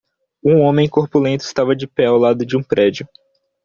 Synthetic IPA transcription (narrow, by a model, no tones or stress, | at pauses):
ũõmẽj̃koɾpulẽnt̪ʊɪst̪avɐd͡ʒɪpɛawlad̪ʊd͡ʒɪũpɾʔɛd͡ʒʊ